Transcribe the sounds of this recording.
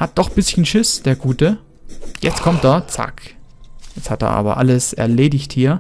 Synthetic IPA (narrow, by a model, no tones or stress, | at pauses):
hat̚d̥ɔχb̥ɪsçən̩ʃɪsd̥eːɐɡuːtə | jɛt͡stkʰɔmt̚d̥aːt͡sa̰k | jɛt͡sthat̚da̰ːʔa̰ːbɐ̰ʔa̰ləsɛ̰ɐleːdɪçthiːɐ